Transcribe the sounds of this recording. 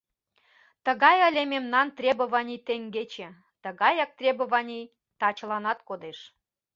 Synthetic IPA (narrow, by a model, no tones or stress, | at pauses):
t̪əɣɑjəlʲememnɑnt̪rʲebə̆βɑnʲit̪eŋɡet͡ɕĕ | t̪əɣɑjɑk̚t̪rʲebə̆βɑnʲij | t̪ɑt͡ɕə̆lɑnɑt̪kod̪eʃ